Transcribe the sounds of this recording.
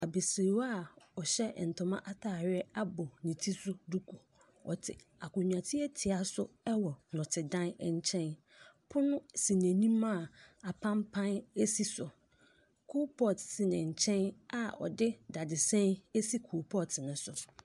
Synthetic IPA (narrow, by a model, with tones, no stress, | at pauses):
a˨be˨si˨wa˦˨ɔ˨ɕɛ˦˨n̩˨tʰʊ̃˨mã̰˦ʔa˦tʰaː˨ɥɛ˦a˦bʊ˨nĩ˨tʰi˦sʊ˦du˦kʰu˨ | ɔ̰˨tʰɪ̰˨ | a̰˨kʊ̃˨ɲᶣ˨ã˨tʰɪ˦ɛ˦tʰɪ˨a˨sʊ˦ɛ˦wɔ˨nʊ̃˨tʰɪ˨dã˦nɛ˨ɲ˦˨t͡ɕʰɛ̃˦n | pʰʊ˦nʊ̃˦sĩ˨næ̃˨nĩ˦mã˦˨a˨pʰã˦mpʰã˦ne˦si˦sʊ˨ | kʰu˦pʰɔ˦˨tsi˨nɪ̃˨ɲ̩˨t͡ɕʰɛ̃˦na˨ɔ̰˨dɪ˦da˨dɪ˨sɛ̃˦ne˦si˦kʰu˨pʰɔ˦˨tʰnʊ̃˨sʊ˨